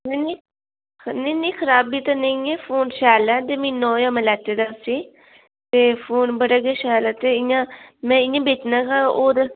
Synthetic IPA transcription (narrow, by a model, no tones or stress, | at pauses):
neni | nẽnĩːkʰəɾaːbliːt̪anəĩːɛːpʰoːnʃɛːlɛːd̪eːmĩːnɔːjãːmɛ̃ːlɛːt̪eːd̪aːsiː | t̪eːpʰoːnbəɽaːɡeːʃɛːlɛːt̪eːɪjãːmɛ̃ːɪjãːbeːt͡ʃnãːkaːoːɾ